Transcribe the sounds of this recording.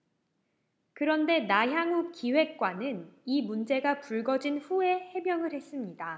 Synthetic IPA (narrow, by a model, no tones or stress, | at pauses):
kɯɾʌnde̞naɦjaŋup̚kiwe̞k̚k͈wanɯnimund͡ʑe̞ɡapuɭɡʌd͡ʑinɸue̞he̞mjʌŋɯɾhe̞s͈ɯmɲida